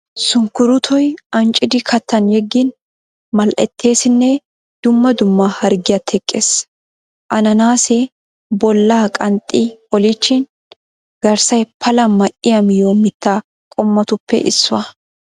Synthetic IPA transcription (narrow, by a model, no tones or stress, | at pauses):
sʊŋkʊɾʊt̪ʰɔjʔɐnt͡ʃʼɪd̪ɪkʰɐt̪ʰːɐnjɛɡːɪn | mɐlʔɛ̰t̪ʰːe̞ːsɪnːɛ | d̪̥ʊmːɐd̪ʊmːɐhɐɾɡɪjɐt̪hɛkʼːeːs | ʔɐnɐnaːsɛ | bɔlːaːkʼɐnt̪ʼːɪɔlɪt͡ʃːɪn | ɡ̥ɐɾsɐjpʰɐlɐmɐʔɪjɐmɪjoːmɪt̪ːaː | kʼɔmːɐt̪ʊpːɛ̰ʔɪ̰sːʊɐ